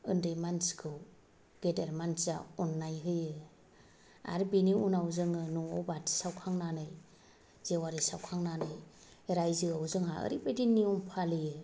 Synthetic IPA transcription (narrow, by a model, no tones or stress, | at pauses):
ɯndɯjmanskʰɯw | ɡ̥edeɾmansaɔnːajɦɯjɯ | a̰ɾbiniunawzɯŋɯnuɔ̰wbatsawkʰaŋnanɯj | z̥ewaɾisawkʰaŋnanɯj | eɾajzɯawzɯŋaɯ̰ɾibejdinːiumpʰalɯjɯ